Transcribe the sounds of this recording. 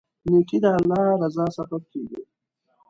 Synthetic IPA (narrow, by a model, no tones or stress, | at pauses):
nuʈid̪aːlːɑːɾazɑsabab̚keːɡḭ